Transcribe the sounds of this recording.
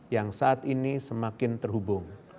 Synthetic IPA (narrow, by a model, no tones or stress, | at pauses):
jaŋsaːt̪inisəmakɪnt̪ərɦubʊŋ